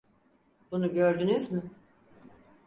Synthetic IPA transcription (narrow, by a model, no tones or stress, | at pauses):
b̥unuɟøɾd̪ynyzmɪ